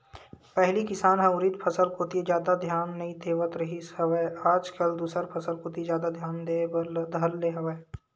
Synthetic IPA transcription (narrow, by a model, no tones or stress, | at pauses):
pɛɦlikɪsaːnɦɛ̃ʊɾɪt̪pʰɐsəlkoːt̪ied͡ʒjaːd̪ad̪ʱjaːnːɐĩt̪ʰeːʋət̪ɾɐɦiɐʋeːaːd͡ʒkəld̪uːsəɾpʰɐsəlkoːt̪izjaːd̪ad̪ʱjaːnd̪ed̪ʱɐlleːɦɐʋeː